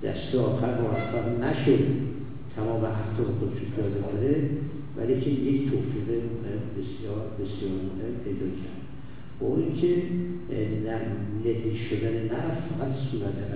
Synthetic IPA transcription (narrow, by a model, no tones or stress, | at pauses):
d̪̥æ̰st̪eɒːxæɾmɒːɾæxt̪æd̪næʃod̪ | t̪ʰæmɒːmeʔæft̪ʰɒːmexod̪eʃupʰijɒːd̪ekʰoɾe | væ̰licʰeject̪ʰoːfiːɣemoɦembesjɒːɾbe̞sjɒːɾmoɦempʰed̪ɒːkʰæ̰ɾd̪̥ | b̥ɒʔunicʲʰe | dæɾlediʃod̪æne̞næɾfæsuːɾæt̪ʰeæ